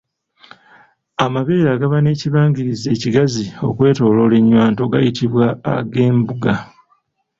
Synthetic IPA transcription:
amaβe̞ːɾaːɡaβane̞ːciβaːŋɟiɾize̞ːciɡazio̞̰kwe̞ːto̞ːlo̞le̞ɲːwaːnto̞ɡa̰jitiβwa̰ːɡe̞ːmbuɡa

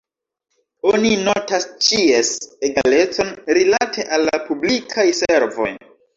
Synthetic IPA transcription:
o̞nino̞tast͡ʃieseɡale̞t͡so̞nɾilatʰe̞ʔalːapublikʰajseɾvo̞̰j

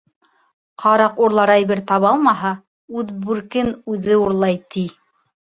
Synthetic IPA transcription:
qʰɑɾɑquɾlˠɑɾɑjβɘɾt̪ɑβɑlˠmɑɦɑ | ʉðbʉɾkɘnʉðɘuɾlˠɑjt̪ʰi

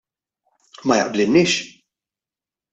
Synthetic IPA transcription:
mɐjɐ̰ʔblɪlnɪːʃ

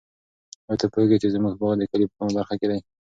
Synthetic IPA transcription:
wəɾt̪apoheɡet͡ʃezmuɡbɑɣd̪əkalipəkumabaɾxaked̪aj

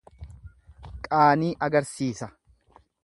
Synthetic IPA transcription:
kʼaːniːʔɐɡɐɾsiːsɐ

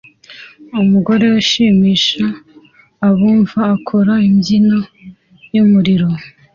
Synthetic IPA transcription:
umuɡo̞ɾe̞uʃiːmiːʃaː | βuːɱvaːkʰoɾaimɟino | jumuɾiɾo̞

